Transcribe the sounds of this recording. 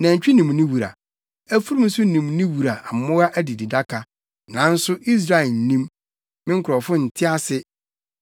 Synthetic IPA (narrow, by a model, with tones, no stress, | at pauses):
nã˨ɲ̩˨t͡ɕᶣi˦nĩ˨m˨nĩ˦wu˨ɾa̰˨ | æ˦fu˦ɾũ˦m̩˦sʊ˦nĩ˨mnĩ˦wu˨ɾa˨ʔa˨mʊ̃˦ɣa˦ʔæ˦di˨di˨da˦kʰa˨ | nã˨˦n̩˦sʊ˦ʔi˦s̬ɾa˦˨ɛ˨n̩˦nĩ˦m | mɪ̃˦ŋ̩˦kʰʊ˨ɾɔ˨fʊ˦n̩˨tʰɪ˦a˦sɪ˦